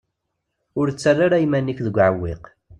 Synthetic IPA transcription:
ʊɾt͡sːarˤːaɾajmænːikðəɡʷːʕəwːeq

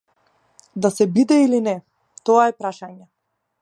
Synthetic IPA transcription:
d̪asɛbid̪ɛilinɛ | t̪ɔaɛpɾaʃaɲɛ

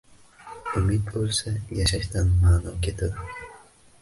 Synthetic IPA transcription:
ʊmɪd̪̚bolˠsajaʃaʃt̪anmaːnɒkʲʰe̞t̪ʰad̪ɪ

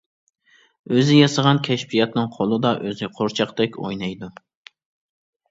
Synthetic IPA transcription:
øzɪjɑsɑʁɑnkʲʰɛʃpijɛt̪nɨŋqʰolˠɨd̪ɑʔøzɪqʰoɾt͡ʃʰɑqd̪ɛkʲʰo̰jnɑjd̪u

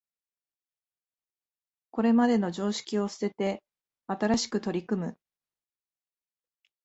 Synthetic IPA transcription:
ko̞ɾe̞mad̪e̞no̞ʑo̞ːɕi̥kʲio̞sɨ̥se̞t̪e̞ | at̪aɾaɕi̥kɯ̟t̪o̞ɾʲikɯ̟mɯ̟

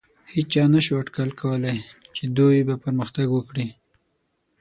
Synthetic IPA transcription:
hit͡ʃt͡ʃɑnaʃuaʈkalkawəlajt͡ʃed̪ujbapəɾməxt̪aɡwəkɽi

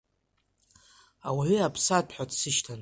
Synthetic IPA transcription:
awaʕʷiapʰsadʰħʷᶣatʰsɨʃtʰan

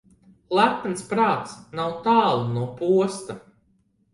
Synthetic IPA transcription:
lˠæt̪nspɾaːt̪snawt̪aːlˠunuɔpuɔst̪a

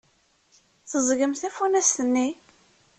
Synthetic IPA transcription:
θəzˤɡəmθæfunæst̪ənːi

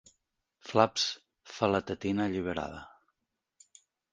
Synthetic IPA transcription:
flaps | fələt̪ət̪inəʎiβ̞əɾa̰ðə̰

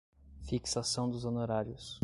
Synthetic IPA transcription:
fiksasɐ̃w̃d̪ʊzonoɾaɾjʊs

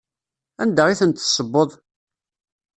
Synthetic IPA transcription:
ænd̪æʁiθənt̪ːsˤəbːoðˤ

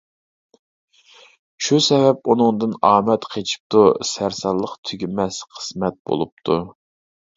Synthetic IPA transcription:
ʃusɛvɛp̚unɨŋd̪ɨnɑːmɛt̪qʰet͡ʃʰi̥p̚t̪ʰusæɾsɑlˠːəqt̪ʰyɡʲimɛsqʰə̥smɛt̪̚bo̰lˠup̚t̪ʰu

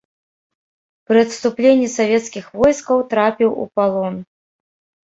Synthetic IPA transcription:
pɾɨɐt̪st̪uplʲenʲːisavʲɛt̪skʲixvɔjskɐwt̪ɾapʲiwṵpalˠɔn

